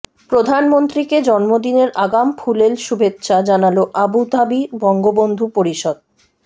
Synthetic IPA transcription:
pɾod̪ʱanmont̪ɾiked͡ʑɔnmod̪ineɾʔaɡampʰulelʃubʱetːɕad͡ʑanaloʔabut̪abibɔŋɡobond̪ʱupoɾiʃod̪̚

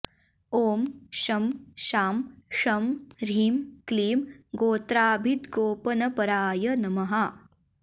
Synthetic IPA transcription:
oːmʃɐmʃaːmʂɐmɾiːmkliːmɡoːt̪ɾaːbʱit̪ɡoːpɐnɐpɐɾaːjɐnɐmɐɦɐ

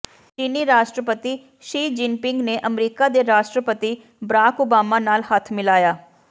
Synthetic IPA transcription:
t͡ʃiːniːɾaːʃʈɾəpət̪i | ʃiːd͡ʒɪnpɪŋɡneːʔəmɾiːkad̪eːɾaːʃʈɾəpət̪i | bəɾaːkoːbaːmaːnaːlhət̪ʰmɪlaːjaː

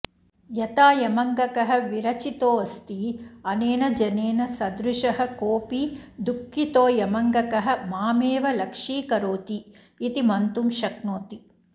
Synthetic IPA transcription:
jɐt̪aːjɐmɐŋɡɐkɐɦɐ̆ʋiɾɐt͡ʃit̪oːɐst̪iɐneːnɐd͡ʒɐneːnɐsɐd̪ɾuʃɐɦɐ̆koːpid̪ukːit̪oːjɐmɐŋɡɐkɐɦɐ̆maːmeːʋɐlɐkʂiːkɐɾoːt̪iː | t̪imɐnt̪umʃɐknoːt̪i

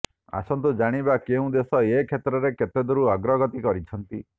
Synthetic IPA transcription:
a̰sɔnt̪ud͡ʒaɽ̃ibakeũd̪esɔekʰet̪ɾɔɾekʰet̪ed̪ɔɾuaɡɾɔɡɔt̪ikɔɾit͡ʃʰɔnt̪i

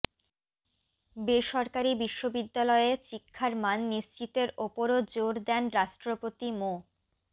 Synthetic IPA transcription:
beʃɔɾkaɾibiʃːobid̪ːalɔeet͡ɕikʰːaɾmanːiʃt͡ɕit̪eɾopoɾod͡ʑoɾd̪ɛnɾaʃʈɾopot̪imo

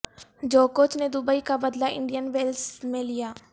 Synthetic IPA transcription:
d͡ʒoːkoːt͡ʃnẽːd̪ʊbəiːkaːbəd̪laːɪɳɖijənʋeːlsmẽːlɪjaː

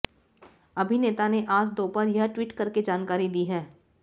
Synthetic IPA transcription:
ɐbʱineːt̪aneʔaːd͡ʒd̪oːpɐɾjɐɦʈwiːʈkɐɾked͡ʒaːnkaːɾid̪iːɦɛː

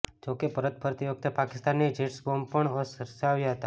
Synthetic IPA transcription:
d͡ʒokepəɾət̪̚pʰəɾt̪iʋək̚t̪epakɪst̪anːid͡ʒeʈsbompəɳəsəɾsəaʋjaɦət̪a

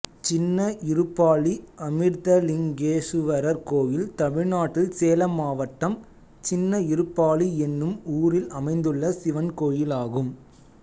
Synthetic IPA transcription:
t͡ʃɪnːɐʔɪɾɯpːaːɭiɐmɪɾt̪ɐlɪŋɡeːsɯʋɐɾɐɾkoːjɪlt̪ɐmɪɻnaːʈːɪlseːlɐmaːʋɐʈːɐm | t͡ʃɪnːɐɪɾɯpːaːliɛnːɯmuːɾɪlɐmɐɪnd̪ɯɭːɐsɪʋɐnkoːjɪlaːɣɯm

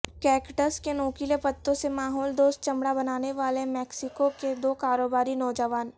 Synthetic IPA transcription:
kɛːkʈəɾskenoːkilepɐt̪ːõsemaːɦɔːld̪oːst̪̚t͡ʃɐ̃mɽabɐnaːneʋaːlemɛːksɪkoked̪oːkaːɾoːbaːɾinɔːd͡ʒəʋaːn

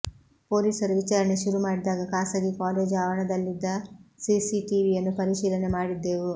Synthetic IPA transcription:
po̞ːlisɐɾuʋit͡ʃaːɾɐɳe̞ʃuɾumaːɽid̪aːɡɐkaːsɐɡikaːleːd͡ʒaːʋɐɳɐd̪ɐlːid̪ːɐsisiʈiʋijɐnːupɐɾiʃiːlɐne̞maːɽid̪ːe̞ːʋu

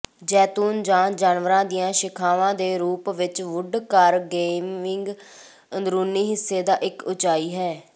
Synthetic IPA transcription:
d͡ʒɛːt̪uːnd͡ʒãːd͡ʒaːnʋəɾãːd̪ijãːʃɪkʰaːʋãːd̪eːɾuːpʋɪt͡ʃʋʊɖkəɾɡeːmɪŋɡ | ənd̪ɾuːniːɦɪsːeːd̪aːʔɪkʊt͡ʃaːiːɦɛː

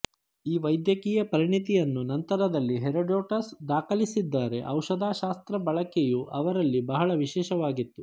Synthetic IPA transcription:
iːʋɐjd̪jɐkiːjɐpɐɾiɳit̪ijɐnːunɐnt̪ɐɾɐd̪ɐlːiɦeɾɐɖoːʈɐsd̪aːkʰɐlisid̪ːaːɾe̞ʔɐwʃɐd̪aːʃaːst̪ɾɐbɐɭɐkejuʔɐʋɐɾɐlːibɐɦɐɭɐʋiʃɛːʃɐʋaːɡit̪ːu

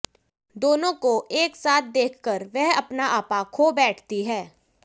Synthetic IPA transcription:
d̪oːnõkoʔeːksaːt̪̚ʰd̪eːkʰkəɾʋɛɦɐpnaʔaːpakʰoːbɛːʈʰt̪iɦɛː

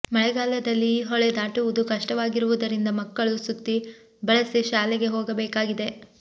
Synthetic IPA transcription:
mɐɭɛɡaːlɐd̪ɐlːiɦɔɭed̪aːʈuʋud̪ukɐʂʈɐʋaːɡiɾuʋud̪ɐɾind̪ɐmɐkːɐɭusut̪ːi | bɐɭɐsiʃaːleɡe̞ɦoːɡɐbeːkaːɡid̪e̞

